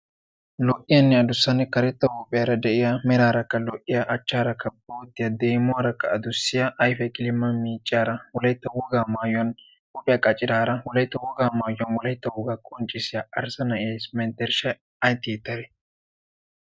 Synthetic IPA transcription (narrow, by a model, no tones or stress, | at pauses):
lɔʔɪjɐnːɛɐd̪ʊsːɐnɛkɐɾɛt̪ːɐwɔpʼːɪjaɾɐd̪ɛʔɪjamɛɾaːɾɐkːɐlɔʔːɪjaʔɐt͡ʃːaːɾɐkːɐboːt̪ːɪjad̪eːmʊaɾɐkːɐɐd̪ʊsːɪjaʔɐjfɛkʼɪlɪmːɐmiːt͡ʃʼːaːɾɐwɔlɐjɪt̪ːɐwɔɡaːmaːjɔn | wɔpʼɪjɐkʼɐt͡ʃʼːɪɾaːɾɐwɔlɐjt̪ːɐwɔɡaːmaːjːɔnwɔlɐjt̪ːɐwɔɡaːkʼɔnt͡ʃʼːɪsɪjaʔɐɾsɐnɐesmɛnt̪ɛɾʃɛ | ɐjt̪ːɪjɛt̪ːɐɾɛ